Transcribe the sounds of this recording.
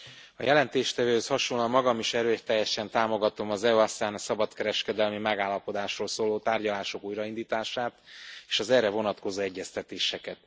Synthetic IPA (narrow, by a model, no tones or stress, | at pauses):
ɒ̰jɛlɛnt̪eːʃt̪ɛvøːhøshɒʃolːɒmːɒɡɒmiʃɛɾøːt̪ɛjːɛʃɛnt̪aːmo̞ɡɒt̪o̞mɒzɛuɒst̪aːnɒsɒbɒt̪kɛɾɛʃkɛd̪ɛlmimɛɡaːlːɒpo̞d̪aːʃroːlsoːloːt̪aːrɟɒlaːʃo̞kuːjɾɒind̪iːt̪aːʃaːt̪eːʃɒzɛːɾɛvo̞nɒt̪ko̞zoːɛɟːɛst̪ɛt̪eːʃɛkɛt̪